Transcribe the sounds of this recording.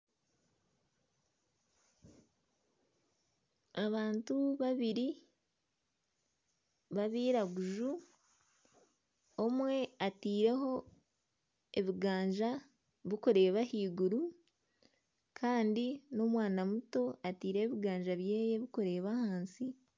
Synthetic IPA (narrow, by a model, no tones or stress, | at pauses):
aβaːntuβaβiɾi | βaβiːɾaɡuʒu | omwe̞atiːɾe̞ɦo̞ | eβiɡaːɲʒa | βikuɾe̞ːβahiːɡuɾu | kʰaːndino̞mwaːnamuto̞atiːɾe̞ːβiɡaːɲʒaβjeːje̞βikuɾe̞ːβahaːnsi